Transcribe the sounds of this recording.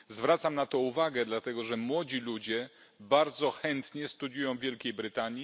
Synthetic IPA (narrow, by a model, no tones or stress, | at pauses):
zvɾat̪samnat̪ɔuvaɡɛd̪lat̪ɛɡɔʐɛmwɔd͡ʑilud͡ʑɛ | baɾd̪zɔxɛnt̪ɲɛst̪ud̪jujɔ̃w̃vʲjɛlkʲejbɾɘt̪aɲji